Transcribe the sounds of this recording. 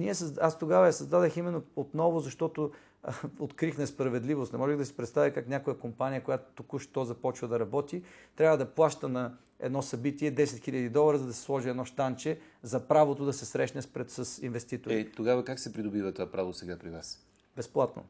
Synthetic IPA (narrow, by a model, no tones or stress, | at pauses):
niɛsɐzast̪oɡavɐjɐsɐzd̪ad̪əximɛnːoot̪nɔvʊzɐʃt̪ɔt̪o | ot̪kɾixnɛspɾɐvɛd̪livost̪nɛmɔʒɛɣd̪ɐsi̥pɾɛt̪st̪avikaknʲakojəkompanʲijəkojat̪o̥t̪ukuʃt̪ɔzɐpɔt͡ʃvəd̪ɐɾɐbɔt̪it̪ɾʲavəd̪ɐplˠaʃt̪ənɐ | ɛ̰d̪nɔsɐbit̪iɛd̪ɛsɛt̪xiʎʲəd̪id̪ɔlˠɐɾəzɐd̪ɐsɛ̥slˠɔʒiɛd̪nɔʃt̪ant͡ʃɛ | zɐpɾavot̪ʊd̪ɐsɛsɾɛʃnɛspɾɛt̪səsinvɛst̪it̪oɾit̪oɡavɐkaksɛpɾid̪obivɐt̪ovapɾavosɛɡapɾivas | bɛsplˠat̪no̰